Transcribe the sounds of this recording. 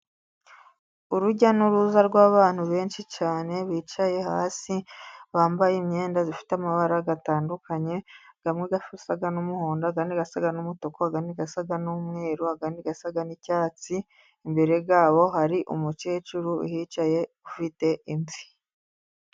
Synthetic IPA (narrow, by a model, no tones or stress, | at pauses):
uɾuɟanuɾuzaɾɡwaːβaːn̥huβe̞ːnʃit͡ʃaːne̞βiːt͡ʃaje̞haːsiβaːmbajemɲe̞ːndazifi̥tamaβaɾaɡataːndukʰaɲe̞ɡ̥amŋeɡafusaɡanumuhoːndaaɡaniɡasaɡanumuto̞koaɡaniɡasaɡanumŋe̞ːɾuaɡandiɡasaɡanicaːt͡siː | mbe̞ɾe̞ɡaːβo̞ɦaɾiʔṵmut͡ʃe̞ːt͡ʃuɾuḭhiːt͡ʃaje̞kufite̞ʔimzi̥